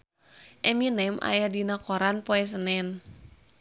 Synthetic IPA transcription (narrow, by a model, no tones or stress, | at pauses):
ʔɛminɛmʔa̰jadinakoɾanpoɛs̬ənɛn